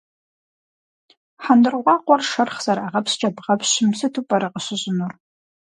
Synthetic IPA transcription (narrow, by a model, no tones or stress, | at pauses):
ħandɨrʁʷɑːqʷʼɔrʃɐrχz̥ɐɾaʁɐpɕt͡ʃʼɐbʁɐpʰɕɪmsɨtʰupʼɐɾɨqəɕɪʑɪnur